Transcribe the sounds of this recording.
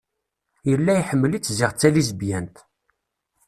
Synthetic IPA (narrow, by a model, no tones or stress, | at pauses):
jəlːæjħəmːəlit͡sːzɪʁt͡sːælizbjænt̪